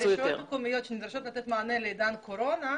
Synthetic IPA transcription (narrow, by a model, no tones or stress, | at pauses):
iot̪komijot̪t͡ʃenid̪ɾaʃot̪lat̪ɛt̪maanelejd̪ankoɾona